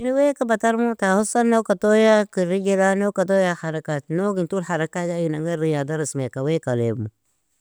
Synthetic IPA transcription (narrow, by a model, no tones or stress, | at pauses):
niwekabataɾmutahusanokatojakiɾiɡelanokat̬ojahaɾakatnoɡintulhaɾakajajunaŋɡaɾijadaɾismekawekalḛbmu